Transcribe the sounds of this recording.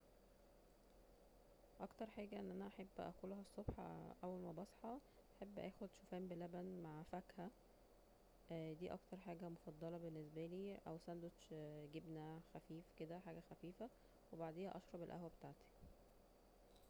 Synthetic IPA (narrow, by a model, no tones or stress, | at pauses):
ʔɑkt̪ɑɾˤħaːɡæʔenːʔænæʔaħebːʔæ̰kuːloɦæsˤːobħɑ̰ʔæwːælmæbɑsˤħɑ | ʔaħebːʔæ̰ːxod̪ʃofæːmbelæbænmaʕfækhæ | d̪iːʔɑ̰kt̪ɑɾˤħaːɡæmofɑd̪ˤːɑlɑbenːesbæliːʔæ̰wsænd̪oɡebnæxæfiːfked̪æħaːɡæxæfiːfæ | webaʕd̪eːhæ̰ʔɑʃɾˤɑbelʔæhwæbet̪aʕt̪i̥